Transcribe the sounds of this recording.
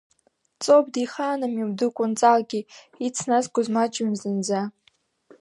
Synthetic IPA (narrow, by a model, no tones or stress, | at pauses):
t͡sʼob̚diχanamiwdɨkʷʼʊnt͡sʼalɡʲi | it͡sʰnazɡʷʊzmat͡ʃʼɪmzɨnd͡za